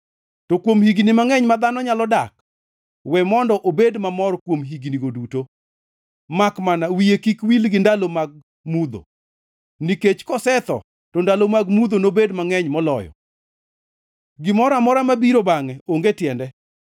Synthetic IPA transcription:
tɔkwomhiɡnimaŋɛɲmad̪anɔɲalɔdak | wɛmɔndɔʔobedmamɔɾkwomɦiɡniɡoduto | makmanawijekikwilɡɪndalomaɡ̚ | mud̪o̰ | niket͡ʃkɔsɛt̪ɔ̰ | tɔndalomaɡmud̪onobedmaŋɛɲmɔlɔ̰jɔ̰ | ɡɪmɔɾamɔɾamabiɾobaŋɛoŋɡetjɛndɛ

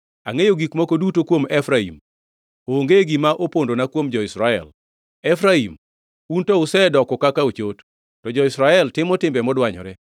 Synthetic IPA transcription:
a̰ŋejoɡikmokodutokwomɛfɾaḭm | oːŋɡeɡimaʔopondonakwomd͡ʒɔɪsɾaɛ̰l | ɛfɾaim | untɔʊsɛdɔkɔkakaot͡ʃot | tɔd͡ʒɔɪsɾaɛltɪmɔtɪmbɛmɔdwaɲɔ̰ɾɛ

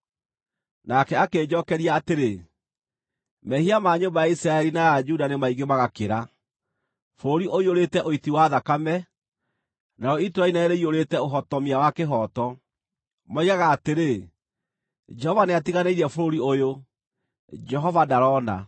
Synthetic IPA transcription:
nakɛakeːd͡ʑɔkɛɾiaːteɾe | mɛhiamaːɲombajaisɾaɛɾinajad͡ʒudanemaiɡemaɣakeɾa | foɾoɾiʔoioɾetɛʔoitiwaðakamɛ | naɾɔitɾainɛɾeioɾetɛoɦɔtɔmiawakeɦɔtɔ | maiɣaɣaːteɾe | d͡ʒɛhɔvaneatiɣaneiɾɛfoɾoɾiojo | d͡ʒɛɦɔvadaɾɔna̰

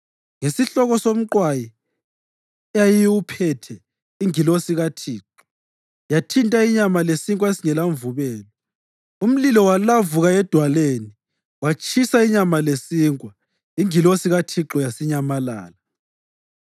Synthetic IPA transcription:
ŋesiɬɔɣɔsom̩ǃwaji | ɛjajiwupʰɛtʰɛ | iŋilosiɣatʰiːǁɔ̥ | jatʰintʼaiɲamalesiŋkʼwaesiŋɛlaɱvuβɛːlɔ | um̩lilɔwalavuɣaɛd̥ʱwaleni | wat͡ʃʼʰisaiɲamalesiːŋkʼwa | iŋilosiɣatʰiǁɔjasiɲamala̰ːla

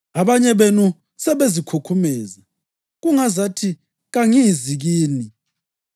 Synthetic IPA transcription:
aβaɲɛβenu | sɛβezikʰukʰumɛːza | ɣuŋazatʰi | ɣaŋijiziɣiːni

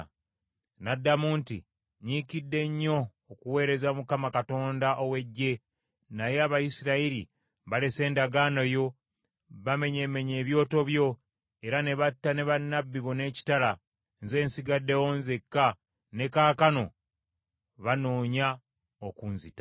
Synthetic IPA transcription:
nadːamuːntḭ | ɲikidːe̞ɲːo̞ː | kuwe̞ːɾe̞zamukamakato̞ːndaʔowe̞ɟːe̞ | najeaβajisiɾaiɾḭ | βale̞se̞ːndaɡaːnojo̞ | βame̞ɲe̞me̞ɲe̞ːβjo̞ːto̞βjo̞ | e̞ɾane̞βatːane̞βanːabːiβo̞ne̞ːci̥tala | nze̞ːnsiɡadːewoːnze̞kːa | ne̞kaːkano̞ | βano̞ːɲa | okunzita

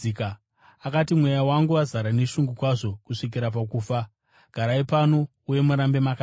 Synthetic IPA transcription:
ka | akatimwe̞jawaŋɡuazaɾane̞ʃuŋɡukwaʐo̞kuʂik̬iɾap̬akuːfa | ɡ̥ʱaɾaipano̞ | uje̞muɾambe̞maka

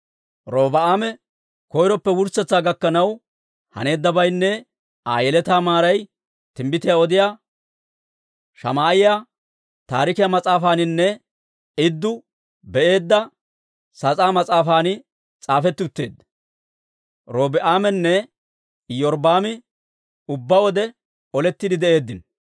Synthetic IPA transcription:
ɾoːbɐaːmɛ | kɔjɾɔpːɛwʊɾsɛt͡sːaːɡɐkːɐnɐw | hɐ̰ne̞ːd̪ːɐbɐjnːɛ | aːjɛlɛt̪aːmaːɾɐj | t̪ɪmbɪt̪ɪjaːɔd̪ɪjaː | ʃɐ̰maːjɪjaː | t̪aːɾɪkɪjaːmɐt͡sʼaːfaːnɪnːɛ | ɪd̪ːʊ | bɛʔe̞ːd̪ːɐ | sɐt͡sʼaːmɐt͡sʼaːfaːnɪ | t͡sʼaːfɛt̪ːʊt̪ːe̞ːd̪ | ɾoːbɪʔaːmɛnːɛ | jɔɾbaːmɪ | ʊbːɐwɔd̪ɛ | ɔlɛt̪ːɪd̪ɪd̪ɛʔe̞ːd̪ːɪn

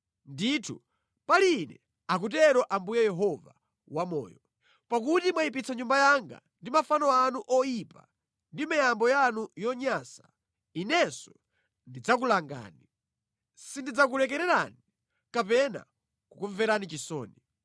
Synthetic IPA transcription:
nditʰṵ | palinɛ̰ | ak̬utɛɾɔʔambujɛjɛɦɔva | wamɔ̰ːjɔ | pakutimwaipit͡saɲumbajaŋɡa̰ | ndimafanɔanuʔɔjipa̰ | ndimajambɔjanujɔɲasḁ | inɛsɔ̥ | ndid͡zak̬ulaŋɡa̰ːni | sindid͡zak̬ulɛk̬ɛɾɛɾani | kapɛna̰ | kukuɱvɛɾanit͡ʃisɔ̰ːni

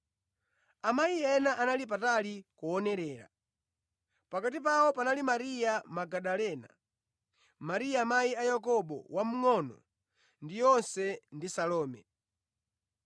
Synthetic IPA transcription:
amaiɛnaʔanalip̬atalikuɔnɛɾɛːɾa̰ | pakat̬ip̬awɔpanalimaɾijamaɡaɗalɛna̰ | maɾijamaiajakɔɓɔ̰wam̩ŋɔnɔ̰ | ndijɔnsɛndisalɔːmɛ̰

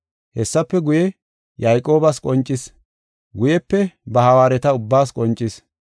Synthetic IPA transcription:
hɛsːɐpːɛɡʊjɛ | jɐjkʼo̞ːbɐskʼɔnt͡ʃʼːɪs | ɡʊjɛpːɛbɐhɐwaːɾɛt̪ɐʊbːaːskʼɔnt͡ʃʼːɪs

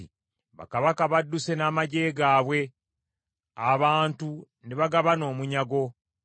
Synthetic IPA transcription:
i | βa̰kaβakaβadːuse̞naːmaɟe̞ːɡaːβwe̞ | aβaːntu | neβaɡaβano̞ːmuɲaɡo̞

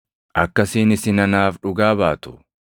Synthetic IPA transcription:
ʔɐkːɐsiːnɪsɪnɐnaːfᶑʊɡaːbaːt̪ʊ̥

